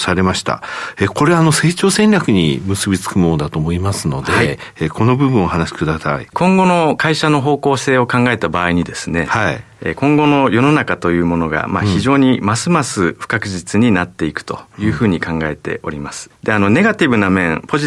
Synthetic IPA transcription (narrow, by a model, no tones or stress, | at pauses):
saɾe̞maɕi̥t̪a̰eko̞ɾe̞aːno̞se̞ːt͡ɕo̞ːsẽ̞nʲɾʲakɯ̟ɲ̟ḭmɯ̟sɨbʲit͡sɨ̥kɯ̟mond̪at̪o̞ːmo̞imasɨno̞d̪eai | eko̞no̞bɯ̟bɯ̟̃o̞hanaɕi̥kɯ̟d̪asa̰ḭkʰõ̞ŋɡo̞no̞kaiɕano̞ɦo̞ːko̞ːse̞ːo̞kãŋɡae̞t̪abaːiɲ̟id̪e̞sɨne̞̰hai | ḛkõ̞ŋɡo̞no̞jo̞no̞nakat̪o̞jɯ̟ːmo̞no̞ɡa̰maçiʑo̞ːɲ̟imasɨmasɨɸɯ̟̥kakɯ̟ʑit͡sɨɲ̟inat̪ːe̞ikɯ̟̥t̪o̞jɯ̟ːɸɯ̟ːɲ̟ikãŋɡae̞t̪e̞̰ʔo̞̰ɾʲimasɨ̥d̪̥e̞anone̞ɡat̪ʲibɯ̟namẽ̞ŋpo̞ʑi